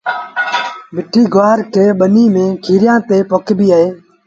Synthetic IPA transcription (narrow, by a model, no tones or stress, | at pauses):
bɪʈʰiːɡʋaːɾkʰeːɓəniːmẽːkʰiːɾɪjãːt̪eːpokʰbiːaːeː